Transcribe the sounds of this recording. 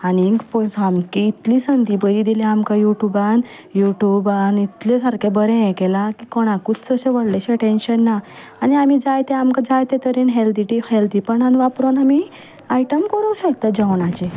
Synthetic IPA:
anikposamkiit̪lisənd̪ibəɾid̪ilẽamkajuʈjuban | juʈjubanit̪lesəɾkẽbəɾɛ̃jɛ̃kɛlakikɔɽ̃ãkud̪t͡səɕeʋəɽleɕeʈenɕənːaː | niamid͡zajt̪ẽamkad͡zajt̪ẽt̪əɾinɦeld̪iʈiheld̪ipəɳɦanʋapɾonami | aiʈəmkəɾuwɕək̚t̪ad͡ʑəʋɳat͡ɕe

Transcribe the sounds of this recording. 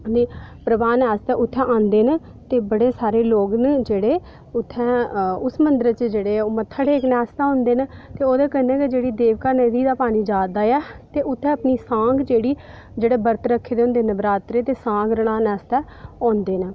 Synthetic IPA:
niːpɾəbaːnɛːst̪ɛːʔʊt̪ʰːɛ̃ːʔãːnd̪eːnə | t̪eːbəɽeːsaːɾeːloːɡnd͡ʒeːɽeː | ʊt̪ʰːɛ̃ːʊsmənd̪əɾt͡ʃd͡ʒeːɽeːomət̪ʰːəʈeːknɛːst̪ɛːõːnd̪eːnət̪eːoːd̪ɛːkənɛ̃ːked͡ʒeːɽiːd̪eːʋkaːnəd̪iːd̪aːpaːniːd͡ʒaːd̪aːɛːt̪eːʔʊt̪ʰːɛ̃ːəpniːsãːŋɡd͡ʒeːɽiː | d͡ʒeːɽeːbəɾt̪ɾəkʰːeːd̪eʊ̃ːnd̪eːnəbɾaːt̪ɾeːt̪eːsãːɡɾəɽaːnɛːst̪ɛː | ɔ̃ːnd̪eːnə

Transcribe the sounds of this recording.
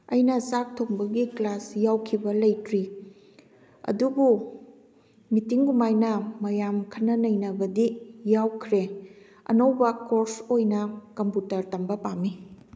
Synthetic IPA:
ɐjnɐsak̚tʰokbɐɡiklasjawkʰibɐlɐjtɾi | ɐ̰dubu | mitiŋɡumajnɐmɐjamkʰɐnːɐnɐjnɐbɐdijawkʰɾe | ɐ̰nowbɐkoɾsojnɐkɐmputɐɾtɐmbɐpamːi

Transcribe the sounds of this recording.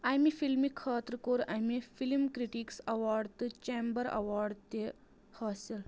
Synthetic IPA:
ajmifilmikʰːaːt̪ɾkoɾajmifilmkɾiʈiksɐʋaɾɖt̪ɨt͡ɕembəɾɐ̰ʋaːɾɖt̪e | həsel

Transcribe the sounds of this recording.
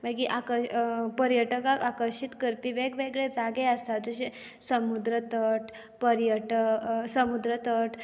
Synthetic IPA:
makiʔakəɾpəɾjəʈəkakakəɾʂit̪kəɾpiʋeɡʋeɡɭed͡zaɡeəst̪ad͡zuɕesəmud̪ɾət̪əʈ | pəɾjəʈəsəmud̪ɾət̪əʈ

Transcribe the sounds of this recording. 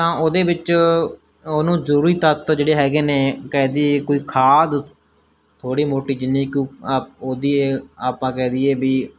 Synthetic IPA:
t̪ãːʔoːd̪eːbɪt͡ʃ | oːnũːzəɾuːɾiːt̪ət̪d͡ʒeːɽeːɦɛːɡeːneːkɛːd̪iːekoːiːkʰaːd̪ | t̪ʰoːɽiːmoːʈiːd͡ʒɪnːiːkjõːaːoːd̪iːeːaːpãːkɛːd̪iːeːbiː

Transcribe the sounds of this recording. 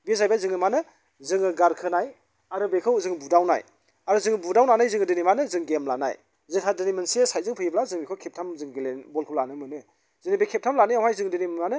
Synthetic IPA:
bizajbajzɯŋɯmanɯ | zɯŋɯɡaɾkʰɯnaj | aɾɯbekʰɯwzɯŋbudawna̰j | aɾɯzɯŋɯbudawnanajzɯŋɯdɯnimanɯzɯŋɡemla̰na̰j | zɯŋkʰadɯnimensiesajzɯŋpʰɯjiblazɯŋbekʰɯwkʰep̚tʰamzɯŋɡelenbɔlkʰɯwlanɯmɯnɯ | zɯnibekʰep̚tʰamlaniawajzɯŋdinimmanɯ

